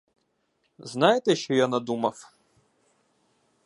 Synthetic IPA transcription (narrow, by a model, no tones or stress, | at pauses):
znajɛt̪ɛʃt͡ʃɔjanɐd̪umɐf